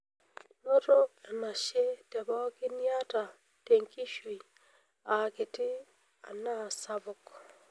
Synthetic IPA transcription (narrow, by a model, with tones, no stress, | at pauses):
no˦ɾo˦ka˨na˨ʃje˦tɛ˨bɔ˦ɡɪ˦nja˦ta˨ | te˨ŋki˦ʃwi˨ | a˨kɪ˨tɪ˦ | a̰˨na˦˨sa˦bʊ˨k